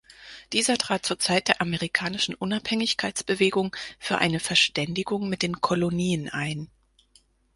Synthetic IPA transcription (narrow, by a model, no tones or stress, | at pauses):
d̥iːzɐtʁ̥aːt̚t͡suːɐt͡saɪt̚d̥eːɐʔameʁikʰaːnɪʃn̩ʔʊnaphɛŋɪçkʰaɪt͡sb̥əveːɡʊŋfyːɐʔa̰ɪnəfɛɐʃtɛndɪɡʊŋmɪt̚d̥eːnkʰoloniːənʔaɪn